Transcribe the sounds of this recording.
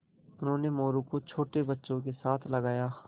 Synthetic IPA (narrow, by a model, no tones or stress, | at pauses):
ʊnɦõːnemoːɾũkot͡ʃʰoːʈebɐtːʃõk̬esaːt̪ʰlɐɡaːjaː